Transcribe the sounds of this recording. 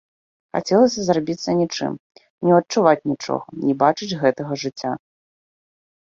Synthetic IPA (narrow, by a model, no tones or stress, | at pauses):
xa̰t͡sʲɛlˠɐsʲɐzrabʲit̪sːɐnʲit͡ʂɨ̰m | nʲɛɐt̚t͡ʂːuvat͡sʲnʲit͡ʂɔ̰ɣɐnʲɛbat͡ʂɨd͡zʲɣɛt̪ɐɣɐʐɨt͡sʲːa